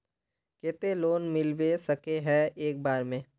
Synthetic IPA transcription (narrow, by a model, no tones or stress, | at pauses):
keːt̪eloːnmɪlʋesɐkeɦɛeːk̚baːɾmẽː